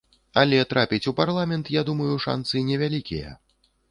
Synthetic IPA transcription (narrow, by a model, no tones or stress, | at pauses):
ɐlʲɛt̪ɾapʲit͡sʲuparlˠamʲɛnt̪jad̪umɐjuʂa̰nt̪sɨinʲɛvʲalʲikʲḭjɛ̰